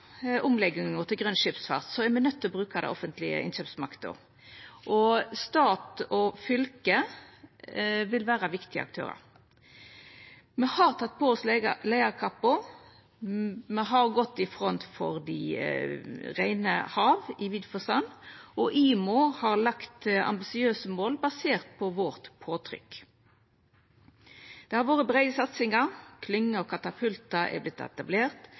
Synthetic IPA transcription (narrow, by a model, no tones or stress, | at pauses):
ʔʊmlɛɡɪŋət̪ʰɪlɡʁœnʃɪpsfɑ̰ʁt̪sɔɛʁmɛnœt̪ʰːɪlɔbɾʉːkɑd̪ɛ̰ʔɔfənt̪ʰlɪə̰ʔɪ̰nɕøːpsmɑkt̪ə̰ | ʔɔst̪ɑːt̪ɔfʏlkə | ʋɪlʋæːɾɑʋɪkt̪ɪə̰ʔɑ̰k̚t̪ʰø̰ːʁə̰ɾ | mɛhɑʁt̪ʰɑt̪̚ːpʰɔɔslæɪɑɾkʰɑpːʊ | mɛɦɑʁɡɔt̪ːɪfʁɔnt̪fɔ̰ʁd̪ḭ | ʁæɪnə̰hɑːʋɪʋiːd̪fɔsɑnɔʔiːmʊhɑʁlɑkt̪ɑ̰mbɪsɪøːsəmoːlbɑseːʁt̪̚pʰɔʋɔːʁt̪pʰoːt̪ʰʁʏ̰k | d̪̥ɛhɑɾʋoːʁəbʁɛɪɡəsɑt̪sɪŋɑʁkʰlʏŋːəɔkʰɑt̪ɑpʰʉlt̪ɑɛ̰blɪt̪ɛ̰t̪ɑbleːʁt̪